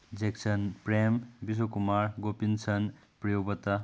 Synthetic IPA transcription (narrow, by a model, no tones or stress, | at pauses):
d͡ʒeksɐnpɾembis̬wokumaɾɡopinsɐn | pɾijobɐt̪a